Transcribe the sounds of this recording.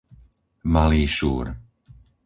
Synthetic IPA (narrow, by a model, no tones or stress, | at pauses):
maliːʃuːɾ